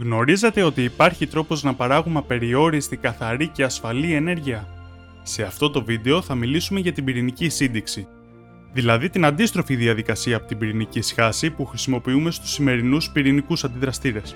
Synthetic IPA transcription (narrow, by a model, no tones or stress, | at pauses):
ɣno̞ɾize̞t̪e̞o̞t̪iːpɐɾçit̪ɾo̞po̞znɐpɐɾɐɣumɐpe̞ɾio̞ɾist̪ikɐθɐɾice̞ɐsfɐlie̞ne̞ɾʝiɐ | se̞ɐft̪o̞t̪o̞vid̪e̞o̞θɐmilisume̞ʝɐt̪ibiɾinicisind̪iksi | ðilɐðit̪inɐnd̪ist̪ɾo̞fiðiɐðikɐsiɐːpot̪ibiɾinicisxɐsipuxɾisimo̞piume̞st̪u̥sːime̞ɾinuspiɾinikusɐnd̪iðɾɐst̪iɾe̞s